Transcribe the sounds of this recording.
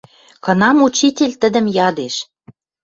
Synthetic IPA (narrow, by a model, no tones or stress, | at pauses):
kɤ̆nɑmut͡ɕitʲelʲt̪ə̆d̪ə̆mjɑd̪eʃ